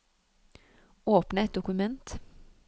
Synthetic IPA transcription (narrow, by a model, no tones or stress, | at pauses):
oːpnəɛt̪̚d̪ʊkʉmɛnt̪